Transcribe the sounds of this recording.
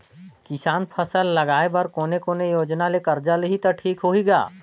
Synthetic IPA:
kɪsaːnpʰəsəlːɐɡaːebɐɾkoːnekoːnejoːd͡ʒnalekɐɾd͡ʒaleɦit̪oʈʰiːkɦoiɡa̰ː

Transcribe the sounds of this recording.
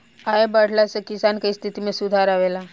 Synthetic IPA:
aebəɽ̤lasekisankəist̪ʰit̪imẽsud̪ʱaɾaʋela

